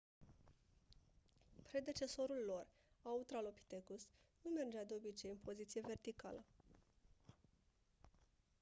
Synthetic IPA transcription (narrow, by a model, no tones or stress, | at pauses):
pɾe̞d̪e̞t͡ʃe̞so̞ɾulːo̞r | aut̪ɾalo̞pi̥t̪ekusnume̞rd͡ʒead̪eo̞bit͡ʃe̞jɨnpʰo̞zit̪sije̞ve̞rt̪ika̰lə